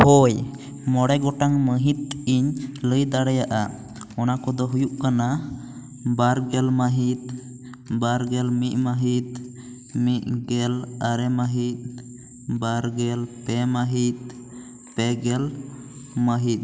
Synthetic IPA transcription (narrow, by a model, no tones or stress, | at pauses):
hoj | mɔɽɛɡɔʈaŋməɦit̪̚iɲləjd̪aɽɛjaʔa | ɔnakɔd̪ɔɦujuʔkana | baɾɡɛlməɦit̪̚ | baɾɡɛlmiʔ̪̚ˀməɦit̪̚ | miʔ̪̚ɡɛlaɾɛməɦit̪̚ | baɾɡɛlpɛməɦit̪̚ | pɛɡɛl | məɦit̪̚